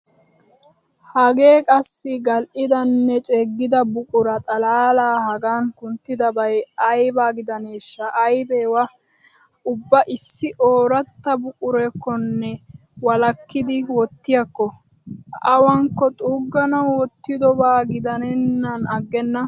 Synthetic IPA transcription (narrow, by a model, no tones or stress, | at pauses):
hɐɡe̞ːkʼɐsːɪɡɐlʔɪd̪ɐnːɛt͡ʃʼɛɡːɪd̪ɐbʊkʼʊɾɐt̪ʼɐlaːlaːhɐɡaːŋkʊnt̪ːɪd̪ɐbɐjɐjbaːɡɪd̪ɐneːʃːɐʔːjbeːwɐ | ʊbːɐʔɪsːɪʔoːɾɐt̪ːɐbʊkʼʊɾɛkːɔnːɛ | wɐlɐkːɪd̪ɪwɔt̪ːɪjɐkːɔ | ɐwɐŋkːɔt̪ʼuːɡːɐnɐwwɔt̪ːɪd̪ɔbaːɡɪd̪ɐnɛnːɐnɐɡːɛnːɐ